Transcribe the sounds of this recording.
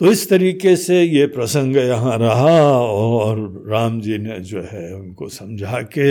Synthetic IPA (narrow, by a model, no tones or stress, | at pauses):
t̪oɪst̪ɐɾiːkesejepɾɐsə̃ŋɡjɐɦãɾɐɦaɔːɾː | aːmd͡ʒiːned͡ʒoːɦɛʊnkosɐ̃md͡ʒʱake